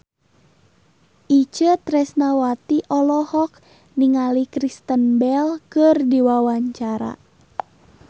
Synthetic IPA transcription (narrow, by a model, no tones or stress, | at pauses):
ʔit͡ʃət̪ɾɛsnawat̪iʔɔlɔhɔk̚ | niŋalikɾist̪ənbɛlkərdiwawaɲt͡ʃaɾa̰